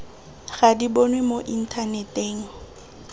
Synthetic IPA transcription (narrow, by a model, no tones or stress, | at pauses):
ɣadibonwemoʔin̩tʰanɛteːŋ̩